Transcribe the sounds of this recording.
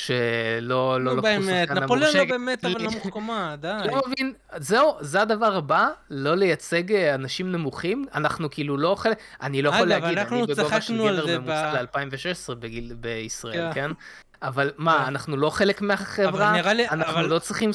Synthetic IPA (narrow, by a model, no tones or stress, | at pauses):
ʃe̞lo̞lolobemeananampoleoʃɡbemetamuχkamad̪alomevin | zeuzead̪avaʁabalo̞le̞jat͡se̞ɡanaʃimnemuχimanaχnukiiːlulo̞χeleanilo̞jaχoleaɡidnanibeɡovaʃnuelveeemut͡salealpaimveʃeʃesʁebeɡilbeisʁaelken | avalmaːnaχnulo̞χe̞lekmeaχevʁaniʁalianallo̞t͡sʁiχim